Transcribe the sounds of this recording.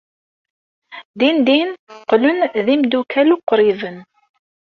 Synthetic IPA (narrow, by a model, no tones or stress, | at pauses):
d̪ind̪inqlʊnðimd̪ukʰæluqːɾivən